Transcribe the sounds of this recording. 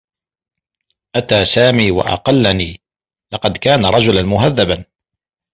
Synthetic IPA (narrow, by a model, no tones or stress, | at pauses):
ʔat̪aːsaːmiːwa̰ʔɑ̰qɑlːaniː | lɑqɑd̪kaːnaɾˤɑd͡ʒʊlanmʊɦaðːaban